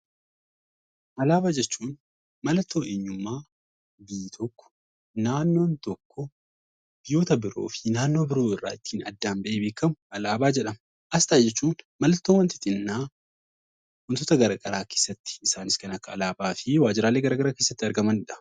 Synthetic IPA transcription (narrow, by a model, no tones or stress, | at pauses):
ʔɐlaːbaːd͡ʒɛt͡ʃːuːn | mɐlɐt̪ːo̞ːʔeɲːʊmːaː | biːt̪ʰɔkːɔ̥ | naːnːo̞ːnt̪ɔkːɔ | b̥ɪjo̞ːt̪ɐbɪɾo̞̰ːfɪnaːnːo̞ːbɪɾo̞ːɪrːa̰ːɪt̪ːiːnɐd̪ːaːmbɐʔeːbeːkːɐmʊʔɐlaːbaːd͡ʒɛᶑɐm | ʔɐst̪aːd͡ʒɛt͡ʃːuːnmɐlɐt̪ːoːwɐnt̪ɪ̥t̪ɪnːaː | wʊnt̪ɔt̪ɐɡɐɾɐɡɐɾaːkeːsːɐt̪ːɪ̥ɪsaːnɪskɐnɐkːɐːlaːbaːfɪwaːd͡ʒɪɾaːlːeːɡɐɾɐɡɐɾaːke̞ːsːɐt̪ːɪɐɾɡɐmɐnɪᶑɐ̥